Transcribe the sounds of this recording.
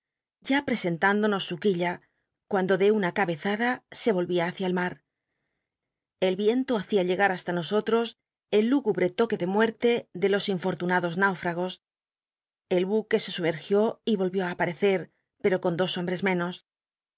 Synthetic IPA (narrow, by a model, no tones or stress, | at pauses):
ɟ͡ʝapɾe̞se̞nt̪and̪o̞no̞sːukiʎa | kwand̪o̞ðe̞unakaβe̞θaðase̞β̞o̞lβiaːθjaelmaɾ | e̞lβje̞nt̪oaθiaʎe̞ɣaɾast̪ano̞so̞t̪ɾo̞s | e̞lːuɣuβɾe̞t̪o̞ke̞ðe̞mwe̞ɾt̪e̞ðe̞lo̞siɱfo̞ɾt̪unaðo̞znawfɾaɣ̞o̞s | e̞lβuke̞se̞sume̞ɾxjo̞iβo̞lβjo̞aːpaɾe̞θe̞ɾ | pe̞ɾo̞ko̞nd̪o̞so̞mbɾe̞zmẽ̞no̞s